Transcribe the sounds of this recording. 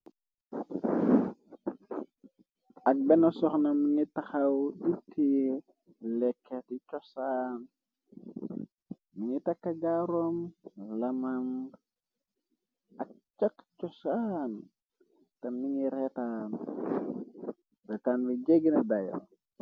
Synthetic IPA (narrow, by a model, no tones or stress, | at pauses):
ɐk̚bɛnɐsɔxnɐmiŋitɐxɐwdutʰːi | lɛkʰːetit͡ʃɔsaːn | miŋitɐkːɐɟaɾɔmlɐmɐm | ɐk̚t͡ʃɐkt͡ʃɔsan | tɐmiŋiɾɛtaːn | rɛtaːnbiɟɛɡnɐdajɔ̰